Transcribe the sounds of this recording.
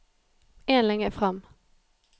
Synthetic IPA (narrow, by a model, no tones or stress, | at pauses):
eːnlɛŋːəfʁɑm